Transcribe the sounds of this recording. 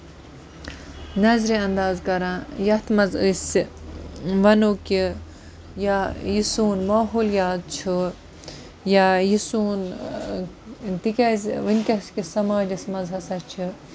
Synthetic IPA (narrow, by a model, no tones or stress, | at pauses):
nɐzɾiɐnd̪aːzkɐɾãːjɐt̪ʰmɐzɨ̰s | ʋɐnoːki | jajisuːnmaːɦuːljaːt̪̚t͡ʃʰu | jaːjisuːn | t̪ikʲɐzʋɨnʲkʲɐskisɐmaːd͡ʒɐsmɐzɦɐsɐt͡ʃʰɨ